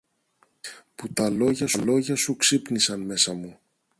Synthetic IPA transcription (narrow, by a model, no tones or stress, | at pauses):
put̪ɐlo̞ʝɐsulo̞ʝɐsuksipnisɐnme̞sɐmu